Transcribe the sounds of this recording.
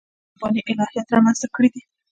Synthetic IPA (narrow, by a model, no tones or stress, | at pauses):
bɑniʔɪlɑhijat̪ɾɑmanst̪akəɽid̪i